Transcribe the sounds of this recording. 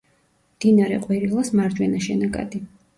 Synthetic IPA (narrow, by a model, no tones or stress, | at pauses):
md̪̥inaɾɛqʼwiɾilˠasmaɾd͡ʒ̪wɛnaʃɛnakʼa̰d̪i